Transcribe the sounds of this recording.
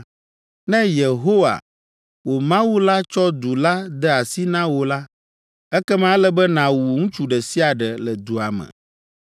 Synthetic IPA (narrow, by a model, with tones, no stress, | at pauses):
nɛ̃˦je˨ɦo˦wa̰˨ | wo˨mã˦wu˦la˦t͡ʃɔ˦d̪u˨la˦d̪ɛ˦a˨si˦nã˦wo˨la˦ | ɛ˦kɛ˦mã˦lɛ˦bɛ˦nã˨wu˨ŋũ˦t͡ʃu˨ɖɛ˨si˦a˨ɖɛ˨lɛ˨d̪u˨a˨mɛ̰̃˨